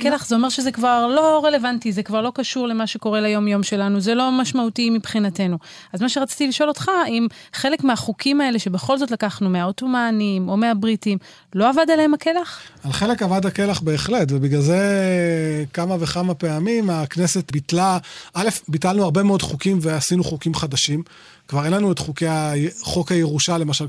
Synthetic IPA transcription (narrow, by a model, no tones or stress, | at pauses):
kelaχzeo̞me̞ʁʃezekvaʁlo̞ʁe̞le̞vantizekvaʁlo̞kaʃuʁle̞maʃe̞ko̞ʁe̞lajo̞mjo̞mʃe̞lanuzelo̞maʃmautimipχinate̞nu | azmaʃeʁat͡si̥t̪iliʃo̞lo̞tχaimχe̞le̞kmeaχukʰimae̞le̞ʃe̞be̞χo̞lzo̞t̬lakaχnumeaoto̞manimo̞meabʁitim | lo̞avadaleemake̞laχalχe̞le̞kavadake̞laχbe̞ːχle̞tvebiɡlalze | kamaveχamapeamimaknese̞t̪bit̪laʔale̞fbit̪alnuaʁbemeo̞dχukimveasinuχukimχad̪aʃim | kvaʁe̞nlanuetχukeaχokajeʁuʃale̞maʃal